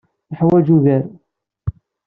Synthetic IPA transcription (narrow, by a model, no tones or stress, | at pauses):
əħwæd͡ʒuðæɾ